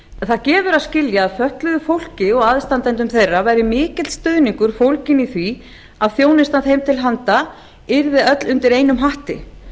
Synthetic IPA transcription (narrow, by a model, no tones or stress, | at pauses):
θaðcɛːvʏɾaðscɪljaːðfœht̪lʏðʏfowl̥cɪɔɣaðst̪ant̪ɛnt̪̬ʏmθejrːavaːjɾɪmɪːcɪt̪st̪œðniŋkʏɾ̥fowlcɪniθvi | aðθjownɪst̪ant̪hejmt̪ʰɪlɦant̪a | ɪɾðɪœt̪lʏnt̪ɪɾejnʏmɦaht̪ɪ̰